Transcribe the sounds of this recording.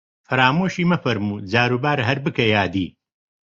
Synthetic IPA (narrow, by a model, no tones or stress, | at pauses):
fɐɾaːmoːʃiːmɐfɐɾmuːd͡zaːɾuːbaːɾɦɐɾbɨkɐjaːd̪iː